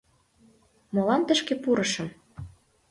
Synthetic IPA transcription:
mɤ̆lɑnt̪ə̆ʃkepuɾɤ̆ʃə̆m

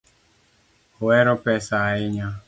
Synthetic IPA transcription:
owɛɾɔpɛsaɪɲa

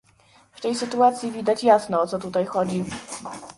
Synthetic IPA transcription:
ft̪ɛjsɘt̪uat̪sʲjivʲid̪at͡ɕjasnɔɔt̪sɔt̪ut̪ajxɔd͡ʑi

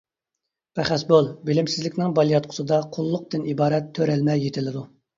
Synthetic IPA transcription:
pʰæχæsbolˠbɪlɪmsɪzlɪkʲnɪŋbɑlˠjɑt̪̚qʰʊ̥sɨd̪ɑqʰʊlˠːʊq̚d̪ɨnibɑːɾɛt̪ʰːøɾɛlmɛjet̪ʰɪlɪd̪u

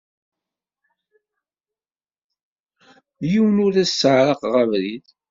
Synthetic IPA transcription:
jiwənʊɾæsːəʕɾɑqʁəvɾið

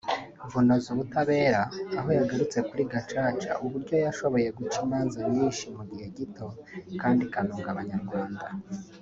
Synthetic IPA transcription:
ɱvuno̞zuβutaβe̞ːɾaːɦo̞jaɡaɾut͡se̞kuɾiɡat͡ʃaːt͡ʃa̰ʔuβuɾɟo̞jaʃo̞βo̞je̞ɡut͡ʃimaːnzamiːnʃimuɟihe̞ɟitʰo̞kaːndikanuːŋɡaβaɲaɾɡwaːnda

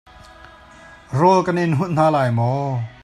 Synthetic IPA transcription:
rɔlkɐnɪnɦut̚n̥aːlaːjmɔ

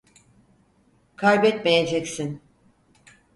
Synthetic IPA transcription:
kʰaɾbɛt̪mejed͡ʒɛcsin

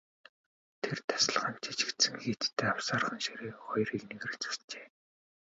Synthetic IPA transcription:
t̪ʰert̪ʰḁsɪ̆ɮχə̆nmt͡ɕʰi̥t͡ɕɪ̥̆kt̪sɘ̆ŋxet̪t̪ʰːeːawsaːrχə̆nʃiɾeːχɔj̆rikneɣ̆ɘ̆xt͡su̥st͡ɕeː

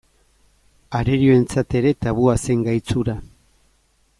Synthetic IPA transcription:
aɾeɾio̞e̞nt͡sat̪e̞ɾe̞t̪aβuase̞ŋɡajt͡suɾa

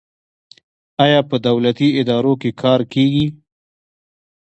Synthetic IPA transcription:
ɑjɑpəd̪awlat̪iɪd̪ɑɾokekʰɑɾkeɡi

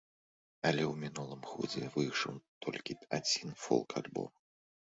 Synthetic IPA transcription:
ɐlʲɛwmʲinulˠɨmɣɔ̰d͡zʲɛvɨjʂɐwt̪ʰɔlʲkʲiad͡zʲinfɔ̰lˠkʰalʲbɔ̰m

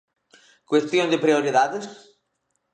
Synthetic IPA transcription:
kwest̪jõnd̪epɾioɾiðaðes

